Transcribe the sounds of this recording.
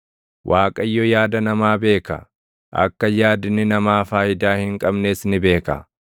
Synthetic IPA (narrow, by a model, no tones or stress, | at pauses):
wʔaːkʼɐɪjːɔjaːd̪ɐnɐmaːbe̞ːkɐ̰ | ʔɐ̰kːɐjaːd̪ɪnːɪnɐmaːfaːʔɪd̪aːhɪŋkʼɐbneːsnɪbe̞ːkɐ̰